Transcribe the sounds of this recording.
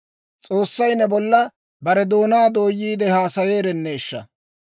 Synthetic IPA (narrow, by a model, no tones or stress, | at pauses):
t͡sʼo̞ːsːɐjnɛbɔlːɐ | bɐɾɛd̪o̞ːnaːd̪o̞ːjːiːd̪ɛhaːsɐwe̞ːɾɛnːeːʃːɐ̰